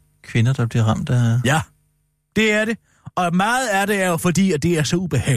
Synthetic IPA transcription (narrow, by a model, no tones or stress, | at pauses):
kʰʋe̝nɐd̥ɑ̈b̥liɐʁɑ̈m̰d̥æjæ | d̥e̝æɐde̝ | ɒ̽mɑ̈ːð̞̩ˠæɐɾe̝æɐjo̝fɒ̽d̥ḭːæd̥e̝æɐsɒ̽ub̥e̝hɛ̰ː